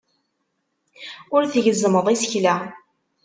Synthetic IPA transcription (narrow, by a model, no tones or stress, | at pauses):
ʊɾθəʝəzməðˤisə̥çla